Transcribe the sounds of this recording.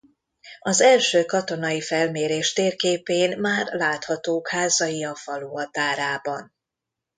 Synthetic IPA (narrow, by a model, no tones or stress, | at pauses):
ɒzɛlʃøːkɒt̪o̞nɒjifɛlmeːɾeːʃt̪eːrkeːpeːnmaːrlaːt̪hɒt̪oːkhaːzɒjiɒfɒluɦɒt̪aːɾaːbɒn